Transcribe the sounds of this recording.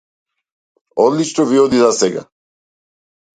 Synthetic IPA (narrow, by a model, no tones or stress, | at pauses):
ɔd̪lit͡ʃnɔviɔd̪izasɛɡa̰